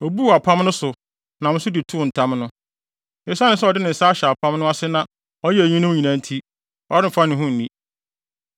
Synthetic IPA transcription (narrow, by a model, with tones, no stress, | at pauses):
ɔ˨bu˦˨a˨pʰã˦mnʊ̃˦sʊ˨ | nã˨mʊ̃˦sʊ˦dɪ˨tʰʊ˦˨n̩˨tʰã˦mnʊ̃˦ | ẽ˦snɪ̃˨˦sɛ˦ɔ˨dɪ˦nɪ̃˨n̩˨sa˦ɕɛ˨a˨pʰã˦mnʊ̃˦a˦sɪ˦nã˨ | ɔ˦jɛ˦æ˨ɲĩ˦nʊ̃˦m˦ɲĩ˨nã˨n˦tʰi˦ | ɔ˨ɾɪ˦m̩˨fa˦nɪ̃˨ɦũ˦n̩˨nĩ˦